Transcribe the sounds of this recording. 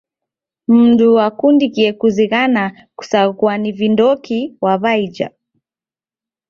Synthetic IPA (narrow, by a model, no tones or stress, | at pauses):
m̩ɗuwakundikiɛkuziɣana | ku̥sakuanivindɔkiwaβaid͡ʒa̰